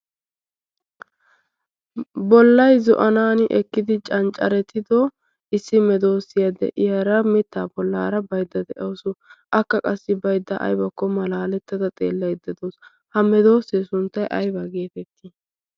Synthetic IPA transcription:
bɔlːɐjzɔ̰ʔɐnaːnɪʔɛkːɪd̪ɪt͡ʃʼɐnt͡ʃʼːɐɾɛt̪ːɪd̪ɔ | ɪsːɪmɛd̪o̞ːsːɪjɐd̪ɛ̰ʔɪjɐɾɐmɪt̪ːaːbɔlːaːɾɐbɐjd̪ːɐd̪ɛʔɐwsʊʔɐkːɐkʼɐsːɪbɐjd̪ːɐʔɐ̰jbɐkːɔmɐlaːlɛt̪ːɐd̪ɐt̪ʼe̞̰ːlːɐjd̪ɐd̪oːs | hɐmɛd̪o̞ːsːesʊnt̪ːɐjʔɐjbɐɡe̞ːt̪ɛt̪ːɪ

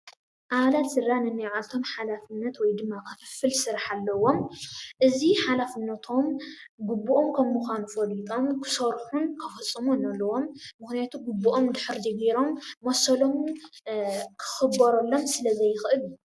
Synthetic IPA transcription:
ʔaβalat̪sɨrːanɨnːɐjʕalt̪ʰo̞mħalafɨnːɐt̪wɔjd̪ɨmːakʰɐfɨ̥fɨlsɨɾaħalːɐwo̞mʔɨziħalafɨnːɐt̪ʰo̞m | ɡubːuʔomkʰɐmːuxʷanufɐlit̪ʼo̞mkʰɨ̥sɐɾħunkʰɐfɐt͡sʼːɨmonɐlːɐwo̞mːɨxnijat̪ʰuɡubːuʔomd̪ɨħɨɾd͡ʒɐɡiɾo̞mːosɐlom | kʰɨ̥xɨbɐɾɐlːo̞msɨlɐzɐjːɪxʔɨlu

